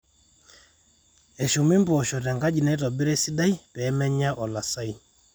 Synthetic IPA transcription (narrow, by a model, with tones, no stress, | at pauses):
ɛ˨ʃɔ˨mi˦mbɔ˨ʃɔ˨ɾɛ˨ŋɡa˦d͡ʒi˨nɛ˦ɾɔ˨bi˦ɾɛ˦si˦da˦i˦pɛː˦mɛ˦ɲa˦ʔɔ˨la˨sa˦i˦